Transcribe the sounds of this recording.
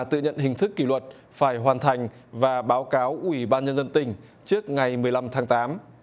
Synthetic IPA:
t̪ɨ̰˧˨ɲə̰˧˨nhï˨˩ŋ̟t̪ʰɨ˦˥kːi˧˩lwə˨˩t̚ | faː˧˩jɦwaː˨˩nt̪ʰa˨˩jŋ̟ | vaː˨˩ɓaː˨˦wkaː˨˦wʔwi˧˩ɓaː˧nɲə˧nzə˧nt̪ï˨˩ŋ̟ | t͡ɕɨ˦˥ək̚ŋa˨˩jmɨ˨˩əjla˧mt̪ʰaː˨˦ŋt̪aː˨˦m

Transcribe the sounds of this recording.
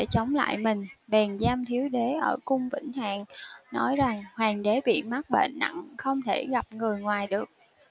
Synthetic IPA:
ɗe˧˩t͡ɕə˨˦wŋ͡mla̰ː˧˨jmï˨˩ŋ̟ɓɛ˨˩nzaː˧mt̪ʰi˨˦əwɗe˨˦ʔəː˧˩kʊ˧ŋ͡mvḭ˧˥ŋ̟ha̰ː˧˨ŋnɔ˨˦jza˨˩ŋhwaː˨˩ŋɗe˨˦ɓḭ˧˨ma˦˥t̚ɓḛ˧˨nːa̰˧˨ŋxə˧wŋ͡mt̪ʰe˧˩ɣa˨˩p̚ŋɨ˨˩əjŋwaː˨˩jɗɨ˨˩ək̚

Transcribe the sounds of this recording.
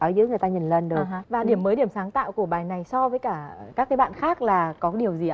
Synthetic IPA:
ʔəː˨˩˦jzɨ̰˧˥ŋɨ˨˩ət̪aː˧ɲi˨˩nlə˨˩nɗə˨˦vaː˨˩ɗi˧˩əmːəː˨˦jɗi˧˩əmsaː˨˦ŋt̪a̰ː˧˨wku˧˩əɓaː˨˩jna˨˩jsɔ˧vəː˨˦jkaː˧˩kaː˦˥k̚ːjɓa̰ː˧˨nxaː˦˥k̚laː˨˩kɔ˨˦˨ɗi˨˩əwzi˨˩ʔa˧˦

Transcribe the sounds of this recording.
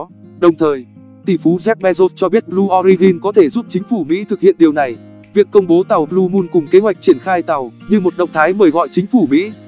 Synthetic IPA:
ɗə˨˩wŋ͡mt̪ʰəː˨˩j | t̪i˧˩fu˨˦zɛ˦˥p̚ɓɛ˧zo˦˥t̚t͡ɕɔ˧ɓi˦˥ət̚lu˧ʔɔ˧ɾi˧ɣi˧nkɔ˨˦t̪ʰe˧˩zu˦˥p̚t͡ɕï˨˦ŋ̟fu˧˩mḭ˧˥t̪ʰɨ˨˩k̚hḭ˧˨ənɗi˨˩əwna˨˩j | vi˨əkːə˧wŋ͡mɓo˨˦t̪a˨˩wlu˧mu˧nkʊ˨˩ŋ͡mke˨˦ɦwa˨˩jk̚t͡ɕi˧˩ənxaː˧jt̪a˨˩wɲɨ˧mo˨˩t̚ɗə̰˧˨wŋ͡mt̪ʰaː˨˦jməː˨˩jɣɔ̰˧˨jt͡ɕï˨˦ŋ̟fu˧˩mḭ˧˥

